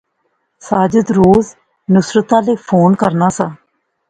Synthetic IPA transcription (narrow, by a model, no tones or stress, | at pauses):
saːd͡ʒəd̪ɾoːz | nʊsɾət̪ãːleːpʰoːnkəɾnaːsãː